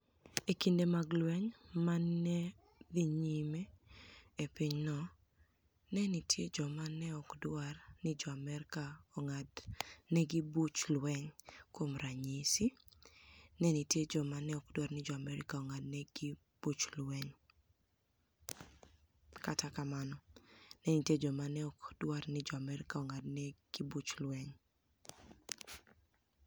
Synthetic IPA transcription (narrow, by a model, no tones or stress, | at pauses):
ekindemaɡlwɛɲmanɛ | diɲime | epiɲnɔ | nɛnitjed͡ʒɔmanɛɔkdwarnɪd͡ʒɔamɛɾkaɔŋadnɛɡibut͡ʃlwɛɲkwomɾaɲisi | nɛnitjed͡ʒɔmanɛɔkdwarnɪd͡ʒɔamɛɾɪkaɔŋadnɛɡi | b̥ut͡ʃlwɛŋ | katakamanɔnɛnitjed͡ʒɔmanɛɔkdwarnɪd͡ʒɔamɛɾɪkaɔŋadnɛɡ̥ibut͡ʃlwɛŋ